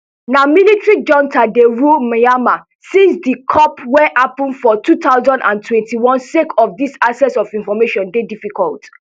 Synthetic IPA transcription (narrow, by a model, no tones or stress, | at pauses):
namilitɹid͡ʒɔ̃ntʰadeɹumajama | sĩnsdikʰɔpwɛʔapɔ̃nfɔtʰutaʊzãndãntʰwɛ̃ntiwɔ̃nsekʰɔfdisasɛsɔfĩnfɔmeʃɔ̃ndedifikʰɔ̰lt